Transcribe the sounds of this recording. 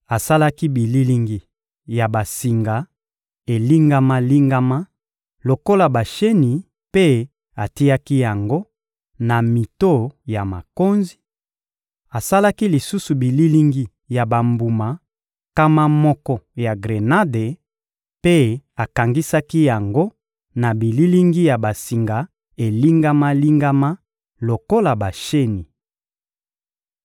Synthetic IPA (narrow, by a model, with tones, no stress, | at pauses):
a˨sa˦la˦ki˦bi˨li˦li˦ŋɡi˨ | ja˨ba˨si˨ŋɡa˨ | e˨li˦ŋɡa˦ma˦li˦ŋɡa˦ma˦ | lo˨ko˦la˨ba˨ʃe˦ni˨ | pe˦ | a˨ti˦ja˦ki˦ja˨ŋɡo˦ | na˨mi˨to˦ja˨ma˨ko˦nzi˦ | a˨sa˦la˦ki˦li˨su˦su˨bi˨li˦li˦ŋɡi˨ | ja˨ba˨mbu˨ma˨ | ka˦ma˦mɔ˦kɔ˦ja˨ɡʁe˨na˦de˨ | pe˦a˨ka˨ŋɡi˦sa˦ki˦ja˨ŋɡo˦ | na˨bi˨li˦li˦ŋɡi˦ja˨ba˨si˨ŋɡa˨ | e˨li˦ŋɡa˦ma˦li˦ŋɡa˦ma˦ | lo˨ko˦la˨ba˨ʃe˦ni˨